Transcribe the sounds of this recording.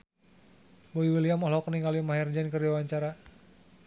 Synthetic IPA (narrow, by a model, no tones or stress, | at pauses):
boiwiliamɔɦlɔkəniŋalimaɦɛrd͡ʒɛnkəriawaɲt͡ʃaɾa